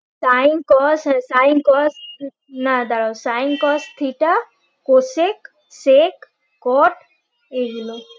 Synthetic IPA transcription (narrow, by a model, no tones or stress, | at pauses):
sajnkɔssajnkɔs | nad̪aɹɔsajŋkɔst̪ʰiʈa | kosek | sek | kɔʈ | eɡilo